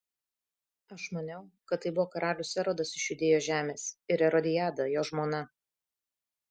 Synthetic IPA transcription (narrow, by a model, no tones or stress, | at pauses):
ɐʃmɐnʲɛʊkɐt̪̚ːɐɪbʊʋoːkɐɾʔɑːlʲʊsʲɛɾoːd̪ɐsɪʃʲjʊd̪ʲeːjoːʒʲæːmʲeːsɪɾɛɾɔd̪ʲɪjæːd̪ɐjoːʒmoːnɐ